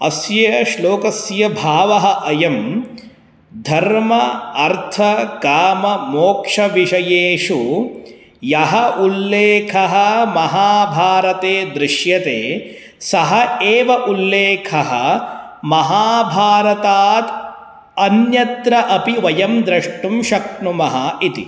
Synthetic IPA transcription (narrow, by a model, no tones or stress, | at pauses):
ɐsjɐjɐʃloːkɐsjɐbʱaːʋɐɦɐʔɐjɐm | d̪ʱɐɾmɐɐɾt̪ʰɐɡaːmɐmoːkʂɐʋiʂɐjeːʂu | jɐɦɐʔulːeːkʰɐɦɐmɐɦaːbʱaːɾɐt̪eːd̪ɾɪʂjɐt̪eː | sɐɦɐeːʋɐʔulːeːkʰɐɦɐ̰̆ | mɐɦaːbʱaːɾɐt̪aːt̪ | ɐnjɐt̪ɾɐʔɐpiʋɐjɐmd̪ɾɐʂʈumʃɐkɳumɐɦɐit̪ḭ